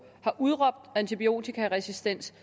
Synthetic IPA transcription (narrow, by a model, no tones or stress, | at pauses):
hɑ̈ʔuð̞ˠʁɒ̽b̥̚d̥ænt͡sʰib̥io̝̰ːt͡sʰikʰæʁɛsisd̥en̰s